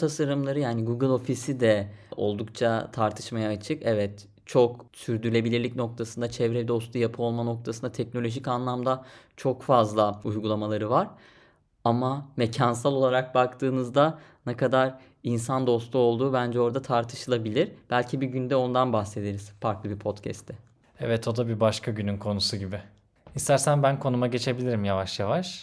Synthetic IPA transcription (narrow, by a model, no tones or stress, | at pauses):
t̪ʰasaɾɯmlˠaɾɯjaːniɡuɡɯlˠo̞fisid̪ɛo̞̰lˠd̪uk̚t͡ʃʰat̪ʰaɾt̪ʰɯ̥ʃmajaːt͡ʃʰɯkɛvɛt̪ | t͡ʃʰo̞ksyɾd̪yɾlʲe̞bilʲiɾlʲicno̞k̚t̪ʰasɯnd̪at͡ʃʰɛvɾɛd̪o̞st̪ʰujapʰɯo̞lˠmano̞k̚t̪ʰasɯnd̪at̪ʰɛcnolʲo̞ʒicanlˠamd̪at͡ʃʰo̞kfazlˠaujɡulˠamalˠaɾɯvaɾ̥ | amamecʰansalˠo̞lˠaɾak̚bakt̪ʰɯːnɯzd̪anɛkad̪aɾ | insand̪o̞st̪ʰuo̞lˠd̪uːbænd͡ʒɛo̞ɾd̪at̪ʰaɾt̪ʰɯ̥ʃɯlˠabilʲiɾ̥b̥ælʲcʰibiɟynd̪ɛo̞nd̪anbaxse̞d̪eɾiz̥faɾklˠɯbipʰo̞t̪cʰɛ̰st̪ʰɛ | ɛvɛt̪ʰo̞d̪abibaʃkʰaɟynynkʰo̞nusuɟibɪ | ist̪ʰæɾsænbænkʰo̞numaɟe̞t͡ʃʰe̞bilʲiɾimjavaʃjavaʃ